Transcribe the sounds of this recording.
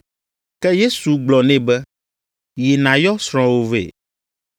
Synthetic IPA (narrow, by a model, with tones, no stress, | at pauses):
kɛ˦je˦su˨ɡ͡blɔ˨nɛ̃˦bɛ˦ | je˨nã˨jɔ˦sɾ̃ɔ̃˨wo˦vḛ˨